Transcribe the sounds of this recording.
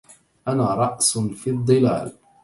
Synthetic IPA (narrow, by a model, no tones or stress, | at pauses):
ʔanaːɾˤɑʔsfiːd̪ˤːɨla̰ːl